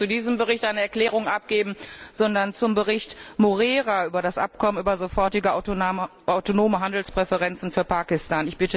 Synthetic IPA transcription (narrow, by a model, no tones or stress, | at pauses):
t͡sudiːzəmbəʁɪçtʔaɪnəɛɐkl̥ɛːʁʊŋʔap̚ɡ̥eːbm̩z̥ɔndɐnt͡sʊmbəʁɪçtmoʁɛːʁaʔyːbɐɾasʔa̰pkʰɔmənʔyːbɐzofɔɐtɪɡə | ʔaʊtonoːməɦandl̩spʁ̥ɛfəʁɛnt͡sn̩fyːɐpaːkɪstaːnɪçb̥ɪtə